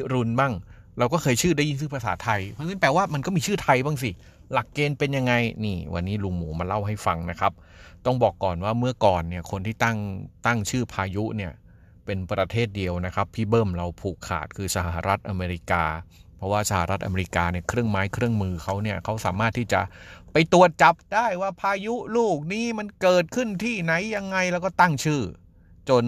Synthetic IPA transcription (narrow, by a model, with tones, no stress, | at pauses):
ɾu˧nba˥˩ŋ | ɾa˧wkɔː˥˩kʰɤː˧jt͡ɕʰɯː˥˩da˥˩ji˦˥˩ŋs̬ɯː˥˩pʰa˧sa̰ː˩˦t̪ʰa˧jpʰa˧sɯ˥˩pɛː˧waː˥˩ma˧nkɔ˥˩miː˧t͡ɕʰɯː˥˩t̪ʰa˧jbaː˥˩ŋs̬i˨˩ | la˨˩kːeː˧npe˧nja˧ŋːa˧jniː˥˩wʔa̰˧nːiː˦˥lu˧ŋmuː˩˦ma˧la˥˩wɦa˥˩jfa˧ŋna˦˥kʰa˦˥p̚t̪ɔ˥˩ŋbɔː˨˩kːɔː˨˩nwaː˥˩mɯ˥˩ɐkɔː˨˩nːi˥˩kʰo˧nt̪ʰiː˥˩t̪a˥˩ŋt̪a˥˩ŋt͡ɕʰɯː˥˩pʰaː˧ju˦˥ʔni˥˩ɐ | pe˧npɾa˧t̪ʰeː˥˩t̪̚di˧əwna˦˥kʰa˦˥pʰːiː˥˩bɤː˥˩mɾa˧wpʰuː˨˩kʰːa̰ː˨˩t̪̚kʰɯː˧sa˧ha˨˩ɦa̰˨˩ɾa˦˥t̪̚ʔa˧meː˧ɾi˦˥kaː˧pʰɾɔ˦˥waː˥˩sa˧ha̰˨˩ɾa˦˥t̪ʔa̰˧meː˧ɾi˧˥kaː˧ni˥˩kʰɾɯ˥˩əŋmaː˦˥jkʰɾɯ˥˩əŋmɯː˧kʰa˦˥wni˥˩ɐkʰa˦˥wsa̰ː˩˦maː˥˩t̪ʰːiː˥˩t͡ɕa̰˨˩ʔpa˧jt̪u˨˩ət̪̚t͡ɕa˨˩p̚daː˥˩jwaː˥˩pʰaː˧ju˦˥luː˥˩k̚niː˦˥ma˧nkɤː˨˩t̪̚kʰɯ˥˩nt̪ʰiː˥˩na˧˥jːa˧ŋːa˧jlɛ˦˥wkɔː˥˩t̪a˥˩ŋt͡ɕʰɯː˥˩ | t͡ɕo˧n